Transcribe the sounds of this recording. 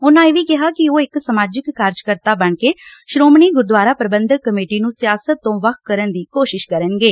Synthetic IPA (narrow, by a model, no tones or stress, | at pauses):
ʊnãːeːʋiːkɪɦaːkɪoːɪksəmaːd͡ʒɪkːaːɾd͡ʒkəɾt̪aːbəɳkeːʃɾoːmniːɡʊɾd̪ʋaːɾaːpɾəbənd̪ʱəkːəmeːʈiːnũːsɪjaːsət̪ːõːʋəkʰkəɾənd̪iːkoːʃɪʃkəɾənɡeː